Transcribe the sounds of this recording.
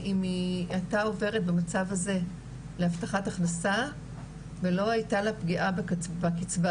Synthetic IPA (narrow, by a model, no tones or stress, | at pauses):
ʔimiatao̞ve̞ʁet̚bemat͡savaze̞ | lehaftaχataχnasa | ve̞lo̞ajtalapɡiʔabkbakit͡sva